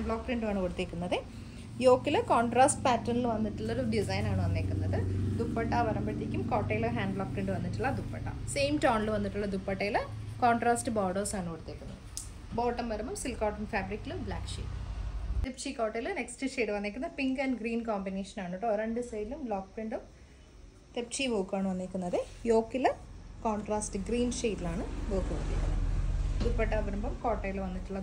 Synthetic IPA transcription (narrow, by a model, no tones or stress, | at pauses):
ɳɖɭoːk̚pɾiɳɖɨaːɳɨkoɽut̪ːeːkːunːɐðɨ | jo̞ːkːilɨkoːɳɖraːsʈpaːtrɐnilʋɐnːiʈːuɭːɐoɾuɖisɐjnaːɳɨʋɐnːeːkʲːunːɐðɨd̪upːɐʈːɐʋɐɾɐmbɐɽit̪ːikʲːumkoːʈːɐjiloɦaːɳɖloːk̚prɾiɳɖɨʋɐnːiʈːuɭːɐd̪upːɐ̰ʈːɐ̰sejmʈoːɳilɨʋɐnːiʈːuɭːɐd̪upːɐʈːɐjilɨkoːɳʈraːsʈɨboːɖɐːsaːɳɨkoɽut̪ːeːkʲːunːɐðɨ | boːʈːɐmʋɐɾɐmumsilkoːʈːɐnfaːbɾikːilumbla̰ːkʂḭːʈːɨt̪ept͡ɕikoːʈːɐjilɨneksʈɨʂeːʈɨʋɐnːekːunːɐpiŋɡɐnɖɡɾiːnkoːmbineːʂɐnaːɳoʈːɨoɾɐɳɖɨsɐjlumbloːkpɾiɳɖum | t̪ep̚t͡ɕiboːkːaːɳɨʋɐnːeːkʲːunːɐðejoːkːilɐkoːɳʈraːsʈɨɡriːnʂeːʈːilaːɳɨboːkːuʋɐk̪ːit̪ːɐðɐd̪upːɐʈːɐɐbɐɾumbɐmkoːʈːɐjilʋɐnːiʈːuɭːɐ